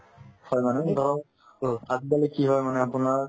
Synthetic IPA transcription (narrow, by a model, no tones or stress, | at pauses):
hɔjmaned̪ʱɔɾɔ | ad̪balikiɦɔjmaneapunaɾ